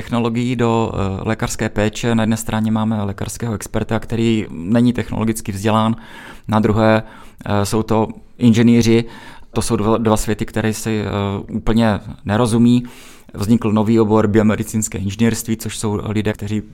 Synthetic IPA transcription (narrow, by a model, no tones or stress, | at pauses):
ɛxno̞lo̞ɡɪjido̞lɛːkar̥skɛːpɛːt͡ʃɛnajɛdnɛːst̪ɾʔaɲɛmaːmɛlɛka̰r̥skɛːɦoɛkspɛɾt̪akt̪ɛɾiːnɛɲit̪ɛxno̰lo̞ɡɪt͡skɪvzɟɛlaːnː | ad̪ɾuɦɛː | so̞wt̪o̞ | ʔɪnʒɛniːr̝ɪt̪o̞so̞wvadvasvjɛt̪ɪkt̪ɛɾɛːsɪuːpl̩ɲɛnɛɾo̞zumiː | vzɲɪkl̩noviːobo̞ɾbɪomɛdɪt͡siːnskɛ̰ːɪnʒɛniːɾst̪viːt͡soʃso̞wlɪdɛːk̚t̪ɛɾiː